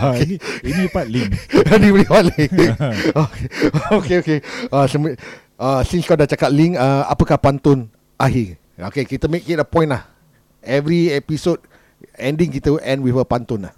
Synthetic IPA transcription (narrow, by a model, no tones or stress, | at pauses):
okeinipat̚lianiwliwatliŋ | okeokeokeasəm | əsĩŋskɔdat͡ʃakat̪̚liŋkəa̰pəkahpant̪ʊn | ʔaɦi | o̰kekit̪əmek̚ːet̚əpɔ̃j̃nlah | ɛvɾiɛpisod̚ | ɛ̃ndĩŋkit̪əʔɛ̃ndwifəpant̪ʊnlah